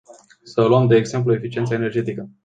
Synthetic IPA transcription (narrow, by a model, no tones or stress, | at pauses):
səluəmd̪e̞ːɡze̞mp̬luefit͡ʃient̪səene̞rd͡ʒe̞t̪ikə